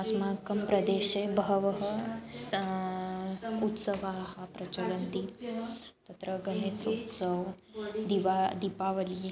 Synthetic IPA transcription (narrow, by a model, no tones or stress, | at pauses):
asmakɐmpɾɐd̪eɕebɦəʋəɦəs | ut̪səʋaɦapɾɐt͡ʃɐlənt̪i | t̪ɐt̪ɾəɡənet͡sut̪səʋ | d̪iʋad̪ipaʋəli